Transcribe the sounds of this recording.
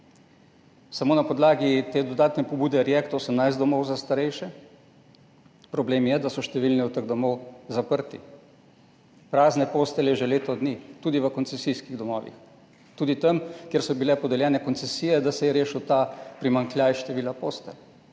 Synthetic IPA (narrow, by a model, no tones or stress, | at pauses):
samoːnapɔd̪laːɡit̪eːd̪ɔd̪aːt̪nɛpɔbuːd̪ɛɾjɛkt̪osəmnajzt̪d̪ɔmɔwzast̪aɾɛjʃɛ | pɾɔbleːmjɛd̪asɔʃt̪ɛʋilniut̪əɡd̪ɔmɔwzapəɾt̪i | pɾaːznɛpoːst̪ɛlɛʒɛleːt̪ɔd̪niːt̪uːd̪iʋəkɔnt̪sɛsijskiɣd̪ɔmɔ̰ːʋḭx | t̪uːd̪it̪ɐmkjeɾsɔbilɛpɔd̪ɛljɛːnɛkɔnt̪sɛsiːjɛd̪asɛjɛɾeːʃut̪apɾimaŋkljajʃt̪ɛʋiːlapoːst̪ɛ